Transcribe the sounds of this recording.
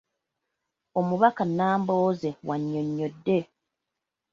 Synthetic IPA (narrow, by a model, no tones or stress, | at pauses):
o̞muβakanːaːmbo̞ːze̞waɲːo̞ɲːo̞dːe̞